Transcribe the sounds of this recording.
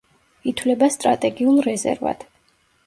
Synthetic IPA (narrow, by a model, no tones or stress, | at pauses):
it̪ʰvlɛbast̪ʼɾa̰t̪ʼɛɡiulˠɾɛzɛ̰ɾva̰t̪